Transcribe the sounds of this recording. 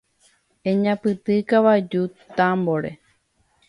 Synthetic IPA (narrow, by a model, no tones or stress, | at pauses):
ẽɲãpɨt̪ɨkaʋad͡ʒut̪amboɾe̞̰